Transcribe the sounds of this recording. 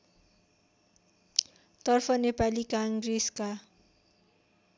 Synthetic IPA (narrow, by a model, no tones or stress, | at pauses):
t̪ɔrfɔnepalikaŋɡɾiska